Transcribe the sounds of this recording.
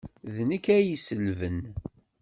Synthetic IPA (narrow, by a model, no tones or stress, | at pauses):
ðnəkːæjisəlvən